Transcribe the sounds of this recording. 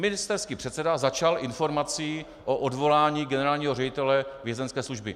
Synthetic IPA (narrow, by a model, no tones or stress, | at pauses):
mɪnɪst̪ɛɾskiːpr̥ɛt̪sɛdazat͡ʃalʔɪnfo̞ɾmat͡siː | ʔoʔodvo̞laːɲiːɡɛnɛɾaːlɲiːɦo̞rɛɟɪt̪ɛlɛvjɛzɛnskɛːsluʒbɪ̰